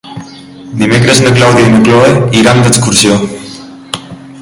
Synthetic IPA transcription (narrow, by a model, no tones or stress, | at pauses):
d̪imekɾeznəklawðienukloeiɾamd̪eskuɾsjo